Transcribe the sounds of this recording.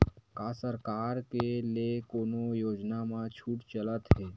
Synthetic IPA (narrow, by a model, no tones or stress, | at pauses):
kaːsəɾkaːɾkeliekoːnojoːd͡ʒnamãt͡ʃʰuːʈt͡ʃələt̪ɦɛː